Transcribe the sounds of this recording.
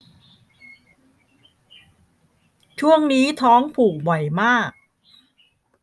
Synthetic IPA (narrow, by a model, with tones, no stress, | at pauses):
t͡ɕʰu˥˩əŋniː˦˥t̪ʰɔː˦˥ŋpʰuː˨˩k̚bɔ˨˩jmaː˥˩k̚